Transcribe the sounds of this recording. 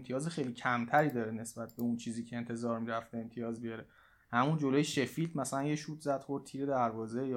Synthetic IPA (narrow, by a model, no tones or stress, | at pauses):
t̪ʰiɒːzexejliːcʰæmt̪ʰæɾiːd̪ɒːɾene̞sbæt̪̚be̞unt͡ʃʰiːziːcʰeent̪ʰe̞zɒːɾmiːɾæft̪eemt̪ʰijɒːzbijɒɾe | hæmund͡ʒolojeʃe̞filt̪ʰmæsælænjeʃuːt̪ʰzæd̪̥χoɾd̪t̪ʰiːɾe̞d̪æɾvɒːze̞j